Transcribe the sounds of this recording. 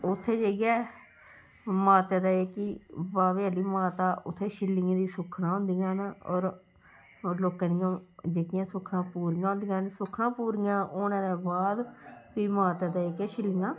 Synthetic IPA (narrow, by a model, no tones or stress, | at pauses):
ʊt̪ʰːeːd͡ʒeːɡɛː | maːt̪eːd̪aːeːkibaːʋeaːliːmaːt̪aːʔʊt̪ʰːeːʃɪlːɪːãːd̪iːsʊkʰnãːɦõnd̪ijãːnɔːɾ | loːkãːd̪ɪjãːd͡ʒeːkɪjãːsʊkʰnãːpuːɾijãːõnd̪ijãːnsʊkʰnãːpuːɾɪjãːʔoːnãːd̪ɛːbaːd̪piːmaːt̪eːd̪aːeːkɛːʃɪlːɪjãː